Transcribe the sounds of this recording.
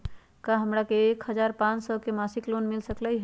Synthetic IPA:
kaɦəmɾakeːkɦəd͡ʒaɾpãt͡ʃsɔkemasiklonmilsəkləɦ

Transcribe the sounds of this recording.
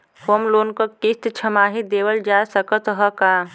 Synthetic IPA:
hoːmloːnkokist̪t͡ʃʰəmaːɦid̪eːwəld͡ʒaːsəkət̪ɦəkaː

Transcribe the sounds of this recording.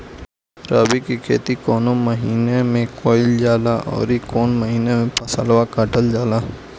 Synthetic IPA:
ɾaːbikikʰḛːt̪ikoːnoməɦiːnemẽkoːɪld͡ʒaːlaʔɔ̰ːɾikoːnməɦiːnemẽpɐsəlʋakəʈəld͡ʒaːla

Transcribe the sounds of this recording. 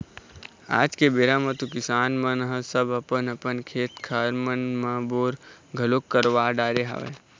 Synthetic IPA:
a̰ːd͡ʒkebeːɾamɐt̪ukɪsaːnmɐ̃nəɦə̃səbɐpənəpənkʰeːt̪kʰaːɾmənmɐ̃boːɾɡʱɐloːkːəɾʋaːɖaːɾeɦa̰ʋḛ

